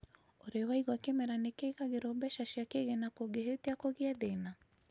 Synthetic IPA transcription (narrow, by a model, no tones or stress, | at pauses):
oɾewaiɣwakemɛɾanekeːɣaɣeɾobɛʃaʃiakeɣenakoɡeɦeteakoɣeaðena